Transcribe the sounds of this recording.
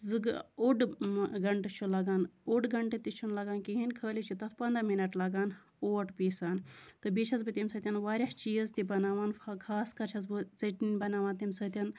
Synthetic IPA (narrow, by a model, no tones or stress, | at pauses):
zɨɡuɖɡɐɳʈet͡ʃʰulɐɡaːnuɖɡɐɳʈet̪it͡ʃʰunlɐɡaːnkiɦinʲkʰəːlʲit͡ʃʰut̪ɐt̪ʰpɐnd̪ɾɐminɐʈlɐɡaːn | oːʈpiːsaːnt̪ɨbit͡ʃʰɐzbɨt̪imsɐt̪ʲɐnʋaːɾʲɐht͡ʃiːzt̪ibɐnaːʋaːnkʰaːskɐt͡ʃʰɐzbɨzɐʈninʲbɐnaːʋaːnt̪imsɐt̪ʲɐn